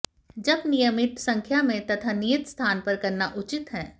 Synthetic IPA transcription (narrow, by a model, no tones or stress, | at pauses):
d͡ʒɐbnɪjəmɪt̪sɐ̃ŋkʰjamẽt̪ɐt̪ʰanijɪt̪st̪ʰaːnpɐɾkɐɾnaʔʊt͡ʃɪt̪ɦɛ̃ː